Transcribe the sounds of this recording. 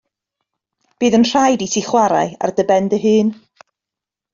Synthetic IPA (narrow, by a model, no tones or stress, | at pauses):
b̥ɨːðənr̥ajditʰiχwaɾa̰ɨa̰rdəbɛndəɦɨːn